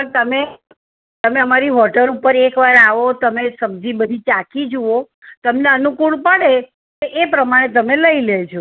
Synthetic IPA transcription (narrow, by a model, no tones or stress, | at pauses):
pəɳt̪əme | t̪əmeəmaɾiɦɔʈəlupəɾekʋaɾaʋot̪əmesəmd͡ʒibəd̪ʱit͡ʃakid͡ʒuo | t̪əmneənukuɭpəɽe | keʔepɾəmaɽ̃et̪̬əmeləilet͡ʃʰo